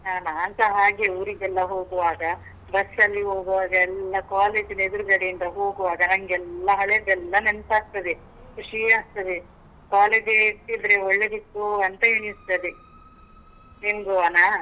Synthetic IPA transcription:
aːnaːnt̪ɐɦaːɡeuːɾiɡɛlːɐɦoːɡuʋaːɡɐ | bɐsɐlːiɦo̞ːɡuʋaːɡɐɛlːɐkaːle̞ːd͡ʒiled̪uɾuɡɐɽejind̪ɐɦoːɡuʋaːɡɐnɐŋɡɛlːɐɦɐɭeːd̪ɛlːɐnenp̪aːɡ̚t̪ɐd̪e | kuʂijaːs̚t̪ɐd̪e | kaːleːd͡ʒeid̪ɾeɔɭːed̪it̪ːuɐnt̪ɐɦeɳist̪ɐd̪e | nimɡuaːna

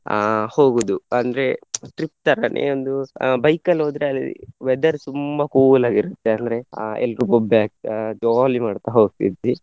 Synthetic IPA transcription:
hoːɡud̪uɐnd̪ɐɾe̞ʈɾip̚t̪ɐɾɐnʔḛːond̪ubɐjkɐlɦoːd̪ɾeɐl̰ːʋɛd̪ɐɾt̪umbɐkuːlaːɡiɾut̪ːeɐnd̪ɐɾe̞ɛ̰lɾupobjaːkd͡ʒoːlimaːɖt̪aɦoːɡ̚t̪id̪ʋi

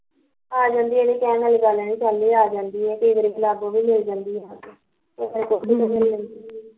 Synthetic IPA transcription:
aːd͡ʒãːnd̪iːeːdiːkɛ̃ːnəlɡalːnĩːt͡ʃalːiːaːd͡ʒãːnd̪iːɦɛːkəiːʋəɾiːlaːɡõːʋiːmɪld͡ʒãːnd̪iːɦãː | eəɾkoiəmɪllənd̪iː

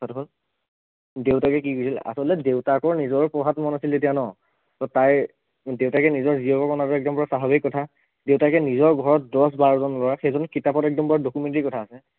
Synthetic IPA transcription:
satuɦɔl | dewtakɛkikojsila̰sɔltɛdewtakɔɹnizɔɹpɔɦatmɔnasiltetijanɔ | tɔtaj | deʊtakɛnizɔɹziɔkɔkɔnatɔɛk̚dɔmbɔɹasaɦabikːɔtʰa | deʊtakɛnizɔɹɡʱɔɹɔt̚dɔs̬baɹɔzɔnlɔɹaxɛjzɔnkitapɔtɛk̚dɔmbɔɹadokumentikɔtʰaːsɛ

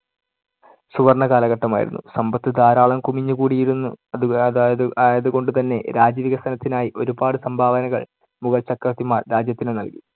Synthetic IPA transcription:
suʋɐrɳɐɣaːlɐɣɐʈːɐma̰ːjḭɾunːusɐmbɐt̪ːɨd̪aːɾaːɭɐmkumiɲːukuːɽijiɾunːu | jɐðuko̞ɳɖɨt̪ɐnːe̞̰ɾaːd͡ʑiʋiɣɐst̪ʰɐnɐt̪ːinaːjiʔo̞ɾubaːɽɨsɐmbʱaːʋɐnɐɣɐɭ | muɣɐlt͡ɕɐkːrɐt̪ːimaːrɾaːd͡ʑjɐt̪ːinenɐlki̥

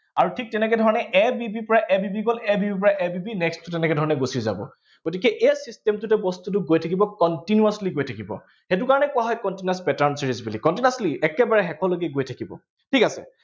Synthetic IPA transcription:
aɹutʰik̚tɛnɛk̬ɛdʱɔɹɔnɛʔɛbibipɔɹaʔɛbibiɡɔlɛbibip̬ɔɹaʔɛbibinɛkstʊtɛnɛkɛdʱɔɹɔnɛɡosiza̰bɔ̰ | ɡ̥otikɛʔɛsistɛmtʊtɛbɔstut̬uɡojtʰakibɔkɔntinuasliɡojtʰakibɔ̰ | xet̬ʊkaɹɔnɛkʊwaɦɔjkɔntinaspɛtaɹnsiɹizbulikɔntinasliʔɛkɛbaɹɛxɛkʰɔloɡiɛɡojtʰakibɔ̰ | tʰikasɛ̰

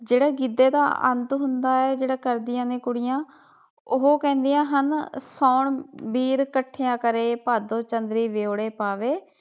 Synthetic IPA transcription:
d͡ʒeːɽaːɡid̪eːd̪a̰ːʔə̰nt̪ɦʊnd̪aːɛːd͡ʒeːɽaːkəɾd̪ɪjãːnẽːkʊɽɪjãː | ʊɦoːkɛ̃ːnd̪ɪjãːɦənsɔːɳbiːɾkəʈʰːejãːkəɾeːpaːd̪õːt͡ʃənd̪ɾiːʋeːoːɽeːpaːʋeː

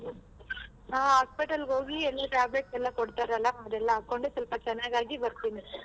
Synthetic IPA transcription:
aːɦaːspiʈɐlɦoːɡiɛlːɐʈaːbleʈ̚sɛlːãkɔɽɯt̪ːaːɾɛlːaɐd̪ɛlːãkoɳɖɯsulpɐt͡ʃɛnːaːɡaːɡibɐɾt̪ːini

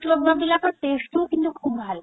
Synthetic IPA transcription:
kloɡmabilakoʈesʈukint̪ukʰubbʱal

